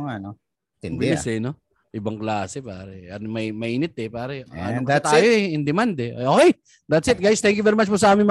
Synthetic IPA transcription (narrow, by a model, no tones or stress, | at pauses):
ŋano | t̪ɪdbɪɪsɛno | ʔɪbɐŋklaːsɛpa̰ːɾɛɐnmɐmɐʔiːnɪt̪̚ɛpaːɾɛɐ̰nat̪aːjoɛɪnd̪ɛmand̪ɛ̰ʔoːkej | d̪ɐt̪sɪt̪̚ɡajst̪ɛ̃ŋkjuvɛːɾɪmat͡ʃposɐʔaːmɪnmɐ